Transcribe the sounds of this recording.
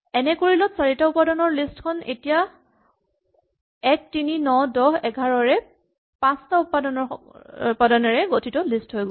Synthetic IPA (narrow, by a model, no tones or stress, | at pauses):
ɛnɛkoɹilɔtsaɹitaʊpadɔnɔɹlistkʰɔnetija | ɛk̚tininɔdɔɦɛɡʱaɹɔɹɛ | pãstaupadɔnɔ | padɔnɔɹɛɡotʰitɔlistɦojɡɔ